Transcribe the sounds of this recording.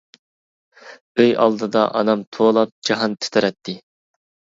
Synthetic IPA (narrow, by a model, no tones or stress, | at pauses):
øjɑ̰lˠd̪ɨd̪ɑ̰ʔɑnɑmt̪ʰoːlˠɑp̚d͡ʒɑɦɑnt̪ʰɪ̥t̪ʰɪɾɛt̪ʰːɪ